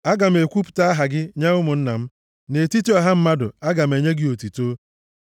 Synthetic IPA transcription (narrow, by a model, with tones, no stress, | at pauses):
a˦ɡa˨m̩˨˦e˨kʷu˦pʊ̥˨ta˦a˦ɦa˨ɡɪ˦ɲe˦ʊ˦mʊ˨n̩˦na˨m̩˦ | ne˨ti˦tu˦a˨ɦa˦m̩˦ma˦dʊ̰˨a˦ɡa˨m̩˨e˨ɲe˦ɡɪ˦o˨ti˨to˦